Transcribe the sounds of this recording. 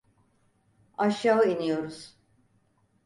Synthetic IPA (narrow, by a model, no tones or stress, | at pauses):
aʃjaːɯinijo̞ɾuz̥